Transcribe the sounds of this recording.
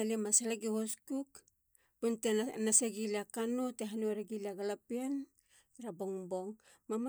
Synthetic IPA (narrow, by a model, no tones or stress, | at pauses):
alemasalaɡihoskuk | puntenaseɡilakanoteɦanoɾeɡiliaɡalapian | ɾabo̞ŋbo̞ŋ | mama